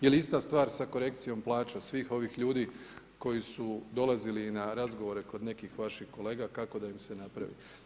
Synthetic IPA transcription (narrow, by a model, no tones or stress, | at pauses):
je̞liist̪ast̪ʋaːɾsako̞ɾe̞kt̪sijo̞mplˠaːt͡ʃosʋiːxo̞ʋixʎuːd̪iː | ko̞jisud̪o̞lazilinaɾazɡo̞ʋo̞ɾe̞ko̞d̪ne̞kixʋaʃixko̞le̞ːɡakako̞d̪aimse̞napɾa̰ʋḭ